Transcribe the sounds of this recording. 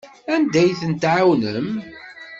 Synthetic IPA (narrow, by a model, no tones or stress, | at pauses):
ænd̪æjθənt̪ʕawnəm